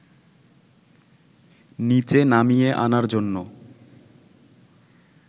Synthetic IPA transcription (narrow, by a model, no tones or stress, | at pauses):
nit͡ɕenamijeʔa̰naɾd͡ʑonːo